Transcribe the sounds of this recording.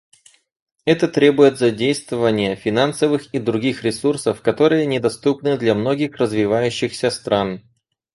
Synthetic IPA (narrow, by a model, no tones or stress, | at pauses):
ɛt̪ət̪ɾʲe̞bʊjɪt̪zɐdʲejst̪vəvənʲɪjəfʲɪnansəvɨxid̪ɾʊɡʲixɾʲɪsursəfkɐt̪o̞ɾɨjənʲɪd̪ɐst̪upnɨd̪lʲɐmno̞ɡʲɪxrəzvʲɪvajʉɕːɪxsʲəst̪ɾan